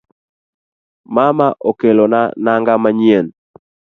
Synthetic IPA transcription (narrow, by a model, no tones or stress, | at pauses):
mamaʔokelonanaŋɡamaɲien